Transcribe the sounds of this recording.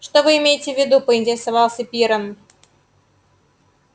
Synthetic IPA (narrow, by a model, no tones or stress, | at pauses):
ʂt̪ovɨɪmʲejɪtʲɪvʲːɪd̪upəɪnʲtʲɪɾʲɪsavɑlˠsʲɐpʲiɾən